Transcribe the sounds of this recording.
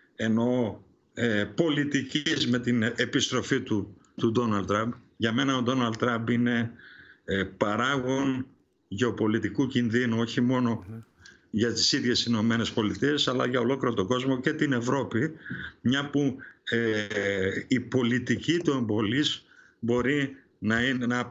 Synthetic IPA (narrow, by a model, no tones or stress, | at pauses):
e̞no̞ | epo̞lit̪icizme̞t̪ine̞pist̪ɾo̞fit̪u | t̪ud̪o̞nɐld̪t̪ːɾɐmbʝɐme̞nɐo̞d̪o̞nɐld̪t̪ːɾɐmbine̞ | pɐɾɐɣo̞n | ʝeo̞po̞lit̪ikucinðinuo̞çimo̞no̞ | ʝɐt̪isiðjʝe̞sino̞me̞ne̞spo̞lit̪ie̞sɐlɐ̰ʝɐo̞lo̞kliɾot̪oɡo̞zmo̞ce̞t̪ine̞vɾo̞pimɲɐpue | ipo̞lit̪icit̪ue̞mbo̞liz̥ | bo̞ɾi | nɐinnɐ